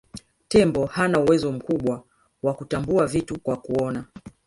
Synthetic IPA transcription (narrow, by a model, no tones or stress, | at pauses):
tɛmbɔhanauwɛzɔm̩kuɓwa | wakutambuavitukwakuɔna